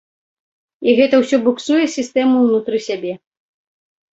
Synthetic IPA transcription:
iɣɛt̪ɐwsʲɔbuksujɛsʲist̪ɛmuwnut̪ɾɨsʲabʲɛ

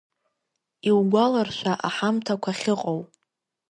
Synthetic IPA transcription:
iwɡʷalarʃʷᶣaʔaħamtʰakʷʰaχʲɪqʼow

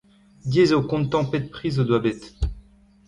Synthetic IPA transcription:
d̪jezookɔ̃nt̪ɑ̃pɛt̪̚pχizod̪wabɛt̪

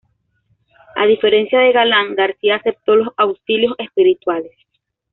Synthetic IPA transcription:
a̰ðife̞ɾe̞nsjaðe̞ɣalaŋɡaɾsiaːse̞p̚t̪o̞lo̞sawsiljo̞se̞spiɾit̪wales

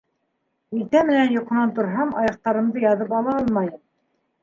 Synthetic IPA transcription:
ilt̪æmɘ̆nænjŏqŏnɑnt̪ŏɾɦɑmɑ̰jɑq̚t̪ɑɾɤ̆md̪ɤjɑðɤp̬ɑlˠɑɑlˠmɑjɤm

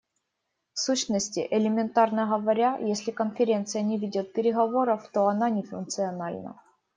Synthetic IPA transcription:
fsuɕnəsʲtʲɪ̰ʔɪlʲɪmʲɪnt̪arnəɣɐvɐɾʲajesʲlʲɪkənfʲɪɾʲe̞nt̪sɨjənʲɪvʲɪdʲot̪̚pʲɪɾʲɪɣɐvo̞ɾəft̪o̞ɐnanʲɪfʊ̰nkt̪sɨɐnalʲnə̰

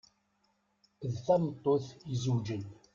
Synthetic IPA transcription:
ðθæmt̪ˤːoθizud͡ʒən

